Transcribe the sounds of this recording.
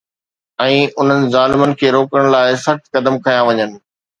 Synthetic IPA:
ɛ̃ːʊn̤ənɪ̆zaːlɪmənɪ̆kʰeːɾoːkəɽ̃laːɪsɐxt̪kɐd̪əmkʰɐjãʋɐɲənɪ̆

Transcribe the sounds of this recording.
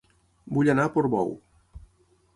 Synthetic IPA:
buʎanapoɾβɔ̰w

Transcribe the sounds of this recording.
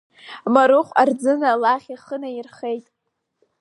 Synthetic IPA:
maɾɨχʷʼard͡zɨnalaχʲiχənairχe̞jtʼ

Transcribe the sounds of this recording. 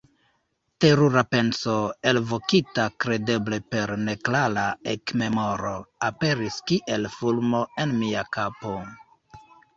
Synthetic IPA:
te̞ɾuɾape̞nso̞e̞lvo̞kitakɾe̞de̞ble̞pe̞ɾne̞klalaekme̞mo̞ɾo̞ape̞ɾiskiʔe̞lfulmo̞e̞nmiakapo̞

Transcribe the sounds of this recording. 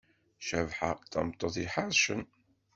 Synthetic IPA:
ʃævħaθæ̰mt̪ˤːoθˤiħaɾˤʃən

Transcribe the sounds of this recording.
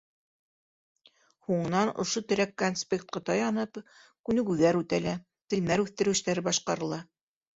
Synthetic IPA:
huɴɤ̆nɑnŏ̰ʃot̪ɵ̆ɾækːonspʲekt̪̚qɑt̪ɑjɑnɤpkʉnɘ̆ɡʉðæɾʉt̪ælæ | t̪ɘ̆jnæɾʉθt̪ɘ̆ɾɘ̆ʃt̪æɾɘbɑʃqɑɾɤ̆lˠɑ

